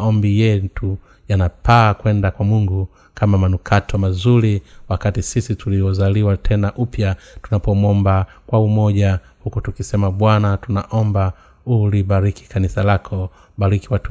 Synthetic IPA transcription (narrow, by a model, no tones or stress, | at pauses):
ɔmbijɛtu | janapaːkwɛndakwamuŋɡu | kʰamamanukʰatʰɔmazuɾiwakatisisituliɔzaliwatʰɛnaʔupjatunapɔmwɔmba | kwaumɔʄa | hukutukisɛmaɓwanatunaʔɔmba | uliɓaɾiki̥kanisalakʰɔ | ɓaɾikiwat